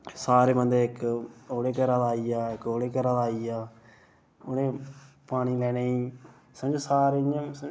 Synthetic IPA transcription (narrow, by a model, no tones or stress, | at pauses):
saːɾeːbənd̪eːɪkoːɽeːkəɾãːd̪aːiːaːɪkoːɽeːkəɾãːd̪aːiːaː | ʊnẽː | paːɽ̃iːlɛːneːiː | səmd͡ʒeːsaːɾeãsə